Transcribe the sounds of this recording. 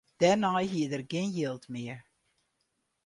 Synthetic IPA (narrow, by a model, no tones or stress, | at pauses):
d̥ɛnɑjɦiədərɡenjilˠtmɪəɹ